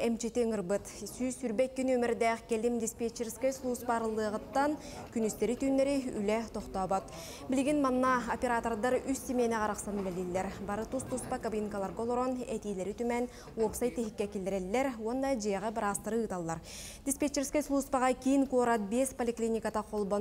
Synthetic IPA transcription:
emt͡ʃit̪iŋɯrbɯt̪sysyɾbek̚ʲːynymiɾd̪eqkʲelimd̪ʲispʲet͡ʃːerskʲeslˠuspɑɾɯlˠːɯʁɯt̪ːɑn | kynyst̪eɾit̪yneɾiy̰let̪ʰoqt̪oːbot̪ | bilɡʲinmɑnnɑopʲe̞ɾat̪ord̪ɑɾyssʲimʲenɛqɑɾɯqsɑnylʲelilʲːeɾbɑɾɯt̪ust̪uspɑkabʲinkalˠɑɾɡolˠoɾonet̪ijleɾit̪ymen | wopsajt̪ːiɦikʲːekʲild̪ɪɾelːeɾwond̪ɑd͡ʒijʁɑbɾɑst̪ɯɾɯːt̪ɑlˠːɑɾ | d̪ʲispʲet͡ʃeɾskʲeslˠuspɑʁɑkʲijinkuoɾɑt̪̚bespolʲiklʲinʲikat̪ɑqʰolˠbon

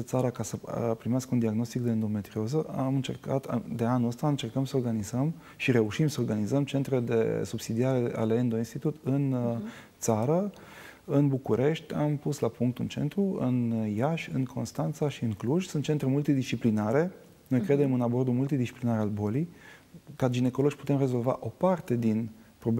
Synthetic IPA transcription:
t̪saɾəkasəpɾimeaskəund̪iaɡno̞st̪ikd̪eend̪o̞me̞t̪ɾiozəʔamɨnt͡ʃe̞̰rka̰t̪a̰d̪e̞anuəst̪aɨnt͡ʃe̞rkəmsəoɾɡanizəm | ʃiɾe̞uʃimsəoɾɡanizəmt͡ʃe̞nt̪ɾe̞d̪e̞̰subsid̪iaɾe̞ʔa̰leend̪o̞inst̪it̪ut̪ɨn | t̪saɾə | ɨnbukuɾʔe̞ʃt̪ʲampuslapuŋkt̪ṵnt͡ʃe̞̰nt̪ɾuɨ̰njaʃʲɨ̰nkʰo̞nst̪ant̪saʃiɨŋkluʒsɨnt̪t͡ʃe̞nt̪ɾe̞mult̪id̪ist͡ʃiplinaɾe̞ | no̞jkɾe̞d̪e̞mɨnabo̞rd̪umult̪id̪ist͡ʃiplinaɾealbo̞lijkad͡ʒine̞kolod͡ʒʲpu̥t̪e̞mre̞zo̞lva̰ʔo̞part̪e̞d̪inpɾob

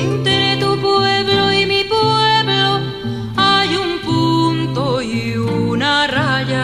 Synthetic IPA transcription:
nt̪eɾet̪upuebloimipueblo | ajumpunt̪oiunaraja

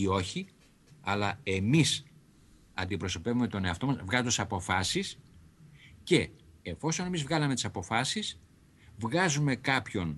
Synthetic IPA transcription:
io̞çi | ɐlɐe̞mis | ɐ̰nd̪ipɾo̞so̞pe̞vume̞t̪o̞ne̞ɐft̪o̞mɐsvɣɐzd̪osɐpo̞fɐsis | ce̞ːfo̞so̞ne̞mizvɣɐlɐmet̪isɐpo̞fɐsis | vɣɐzume̞kɐpço̞n

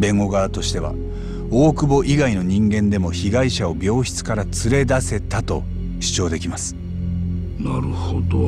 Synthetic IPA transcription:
bẽ̞ŋɡo̞ɡaːt̪o̞ɕi̥t̪e̞β̞a̰ | o̞ːkɯ̟bo̞ʔiɡaino̞ɲ̟ĩŋɡẽ̞nd̪e̞mo̞çiɡaiɕao̞bʲjo̞ːçi̥t͡sɨ̥kaɾat͡sɨɾe̞d̪ase̞t̪at̪o̞ | ɕi̥t͡ɕo̞ːd̪e̞kʲimasɨ̥ | naɾɯ̟hod̪o

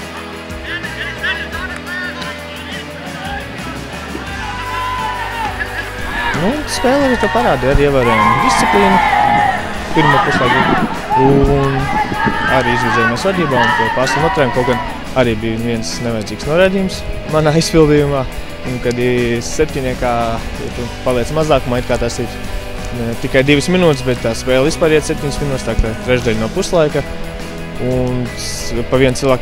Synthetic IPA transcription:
nunt̪spɛːlˠaɾiːt̪uːpaɾaːd̪iːaɾiːiɛvʲaːɾuɔjmd̪ist̪siplʲiːnu | piɾmuːpuʃaːɡ̪i | un | aɾiːizvʲiːzɛjumaɛsvad̪iːbaːunt̪uɔpasunuɔt̪ɾaːjmkɔwkɡan | aɾiːbijviɛnsnɛʋajd̪ziːksnuɔɾajd̪iːjumsmanaːispilˠd̪ijumaː | unkad̪isɛp̚ʲt̪ʲiɲʲiɛkaːḭt̪upalˠiɛt̪smazaːkumaːit̪kaːt̪asiɾ | ɛt̪ikajd̪iʋɪsminuːt̪ɪsbɛt̪t̪ːaːspɛːlˠispaːɾiɛt̪sep̚ʲt̪ʲiɲʲsminuːt̪st̪aːkat̪ɾɛʒd̪ɛlʲnuɔpust̪lˠajka | un | paʋiɛnsilˠʋaːk

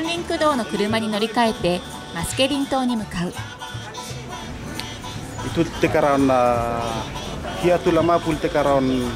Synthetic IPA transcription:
ãnɾʲĩŋkɯ̟d̪o̞ːno̞kɯ̟ɾɯmaɲ̟ino̞ɾʲikae̞t̪ːe̞ | masɨ̥ke̞ɾʲĩnt̪o̞ːɲ̟imɯ̟kaɯ̟ | it̪ult̪ːekaɾana | hiat̪ulamapult̪ekaɾan

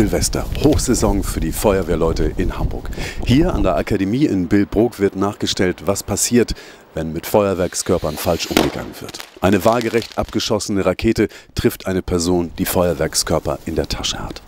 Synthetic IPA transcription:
zɪlvɛstɐ̰hoːxz̥ɛzɔŋfyːɐdiːfɔʏɐveːɐlɔʏtəʔɪnhambʊ̰ɐkhiːɐʔa̰ndeːɐʔakʰademiːɪnbɪlbʁoːkv̥ɪɐtnaːχɡ̥əʃtɛltv̥aspʰasiːɐt | vɛnmɪtfɔʏɐvɛɐkskʰœɐpɐnfalʃʔʊmɡəɡa̰ŋənv̥ɪ̰ɐtʔaɪnəvaːlɡəʁɛçtʔap̚ɡ̥əʃɔsənəʁakʰeːtətʁ̥ɪftʔaɪnəpʰɛɐzoːnd̥iːfɔʏɐvɛɐkskʰœɐpɐ̰ʔɪndeːɐtʰaʃəha̰t

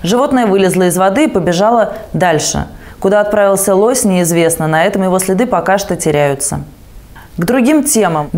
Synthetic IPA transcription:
ʐɨvo̞t̪nəjəvɨlʲɪzlˠəɪzvɐd̪ɨːpəbʲɪʐɑlˠəd̪alʲʂɨ̰ | kʊd̪aɐt̪̚pɾavʲɪlˠsʲəlˠo̞sʲnʲɪɪzvʲe̞snənɐɛt̪əmjɪvo̞sʲlʲɪd̪ɨpɐkaʂt̪ətʲɪɾʲæjʊt̪sə̰ | ɡd̪ɾʊɡʲimtʲe̞məm

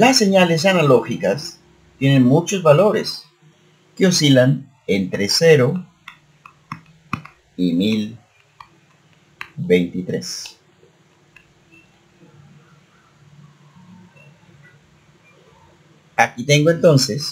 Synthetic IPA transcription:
lasːe̞ɲales̬analo̞xikas | t̪je̞ne̞nmut͡ʃo̞zβalo̞ɾḛs | keosilan | ent̪ɾeseɾo | imil | be̞jnt̪it̪ɾe̞s | akit̪eŋɡoe̞nt̪o̞nses

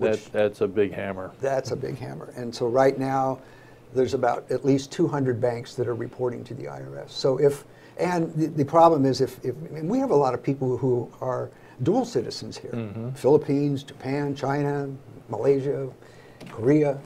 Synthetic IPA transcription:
ðæðætsəbɪɡhæmə˞ðætsəbɪ̰ɡ̥hæ̰mə̰˞ʔɨ̃nsoʊɹaɪtⁿnaʊ | ðə˞zəbaʊɾɨtˡlistʰuɦʌ̃ndɹɨd̚bæ̃ŋksðɨɾə˞ɹɨpʰɔɹɾɪ̰̃ŋtʰɨðḭa̰ɪə˞ɛ̰sːoʊʔɪf | ʔɨ̃nðɨðɨpʰɹ̥ɑblə̃mɪzɨfɪfɨ̃nwiɨvəlɔɾʌv̥pʰipl̩ˠhuə˞ | dul̩ˠsɪɾɨz̥̃n̩z̥hḭɹfɪlˠəpʰĩnzd͡ʒɨpʰæ̃nt͡ʃʰãɪ̃nɨməleɪʒɨ | kʰə˞iɨ

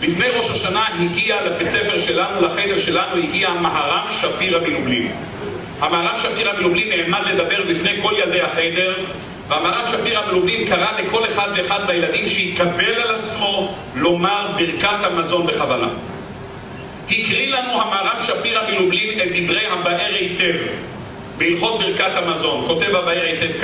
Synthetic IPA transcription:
bifne̞jʁo̞ʃaʃanaɦiɡialabet͡sefe̞ʁʃe̞lanulaχede̞ʁʃe̞lanuhiɡiamaɦaʁamʃapiʁhamilublḭm | hamaaʁamʃapiʁhamilublinːeːmadle̞d̪abe̞ʁlifne̞jko̞ljald̪e̞jhaχede̞ʁ | vehamahaʁamʃapiʁhamilublimkaʁaleko̞leχad̪ve̞ːχad̪bajelad̪imʃehikabe̞lalat͡smo̞ | lo̞maʁbiʁkat̪hamazo̞nbe̞χavala̰ | hikʁilanuhamaaʁamʃapiʁhamilublime̞t̪̚d̪ivʁe̞jɦabaʔeʁejte̞v | beilχo̞t̪̚biʁkat̪hamazo̞nko̞t̪e̞vabaeʁejt̪e̞vk

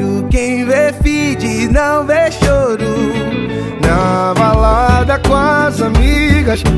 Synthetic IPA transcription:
ukẽj̃vefid͡ʒinɐ̃w̃veʃoɾu | navalad̪ɐkõɐzamiɡɐs

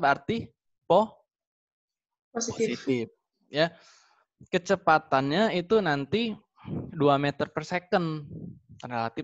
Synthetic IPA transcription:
bəart̪i | pɔ | posiisit̪ɪf | ja | kət͡ʃəpat̪anɲait̪unant̪i | duamet̪ərpərsekən | relat̪ɪf

